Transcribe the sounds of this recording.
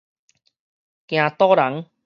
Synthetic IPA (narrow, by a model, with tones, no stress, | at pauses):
kj̃ã˨˧t̪ɔː˦la˨˦ŋ